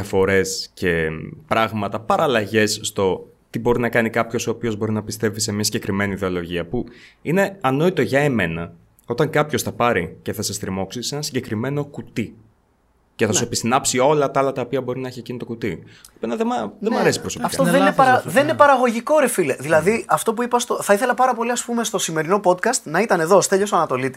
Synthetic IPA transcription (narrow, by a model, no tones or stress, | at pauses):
ɐfo̞ɾe̞sce̞pɾɐɣmɐt̪ɐpɐɾʔɐlɐʝe̞sːt̪o̞ | t̪ibo̞ɾinɐkɐnikɐpço̞soːpio̞zbo̞ɾinɐpist̪e̞vise̞mɲɐsiɲɟekɾime̞niðe̞o̞lo̞ʝiɐpuine̞ɐno̞it̪o̞ʝɐeme̞nɐ | o̞t̪ɐŋkɐpço̞sθɐpɐɾice̞θɐsest̪ɾimo̞ksisenɐnsiɲɟe̞kɾime̞no̞kut̪i | ceθɐssuepist̪inɐpsio̞lɐt̪ɐɐlɐt̪ɐopiɐbo̞ɾinɐeçiecinit̪o̞kut̪iopenɐðemɐðemɐɾe̞si̥pɾoso̞piɐfkɐt̪oeneɐɐðeninepɐɾɐɣo̞ʝiko̞ɾe̞fileðilɐðiɐft̪o̞p̬uipɐst̪oθɐiθe̞lɐpɐɾɐpo̞liɐspume̞st̪o̞sime̞ɾinopo̞t̪kɐst̪nɐit̪ɐne̞ðo̞st̪eʎosoɐnɐt̪o̞lit̪i̥